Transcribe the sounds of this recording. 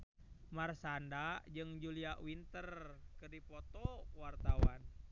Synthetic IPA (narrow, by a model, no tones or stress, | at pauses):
marsandad͡ʒɨŋd͡ʒuliaʔwint̪ərkɨrdipɔt̪ɔwart̪awa̰n